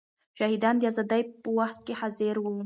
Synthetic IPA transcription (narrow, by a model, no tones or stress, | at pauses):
ʃahid̪ɑnd̪eazɑd̪ajpəwaχt̪̚kʲeħazeɾwu